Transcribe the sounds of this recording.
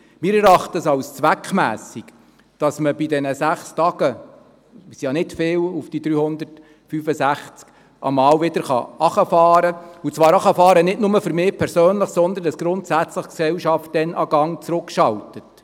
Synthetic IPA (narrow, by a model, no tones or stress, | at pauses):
mɪːɾɛɾɑχtəəsɑwst͡sʋækχmæ̰ːsik | d̥ɑsməbidɛnəsæχstɑɡ̥ə | sjɑnɪtfɪːlufd̥idɾyːhʊnd̪ərt | fyfəsæχt͡sk | ʔɑ̰mɑːwvɪdəɾχɑ̰ʔɑχəfɑːɾəut͡sʋɑːɾɑχɑfɑːɾənɪdnʊməfʏɾmɪːpʰɛɾsøːnləχsɔnd̪əndɑsɡ̥ɾʊntsæt͡sləχksɛwʃɑft̚dɛnʔɑɡ̥ɑŋt͡sɾʊkʃɑltət